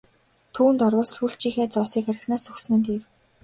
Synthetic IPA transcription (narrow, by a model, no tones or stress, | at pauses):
t̪ʰuːnt̪ɔrwɞ̆ɮsxuɬt͡ɕiːxeːt͡sɔsiːkaɾʲɪ̆xnaːsɵksnɘ̆nt̪eːr